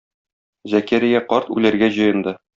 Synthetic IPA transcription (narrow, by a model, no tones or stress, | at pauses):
zækæɾijæqɒɾt̪ʉ̰læɾɡæʑɤ̆jɤ̆nd̪ɤ